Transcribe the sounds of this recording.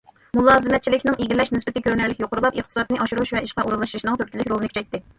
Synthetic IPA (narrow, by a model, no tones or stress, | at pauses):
mulˠɑːzɨmɛt̪̚t͡ʃʰilɪkʲnɪŋiɡʲilɛʃnɪsbɪt̪ɪkʲʰøɾnæɾlɪkʲjoqʰʊɾulˠɑpəχ̚t̪ɨ̥sɑd̪nɨʔɑʃuɾuuʃvɛiʃqɑʔuɾunlˠɑʃʃnɨŋt̪ʰyɾ̚ʲilɪkʲɾolˠnkʲy̥t͡ʃʰɛjt̪ːɪ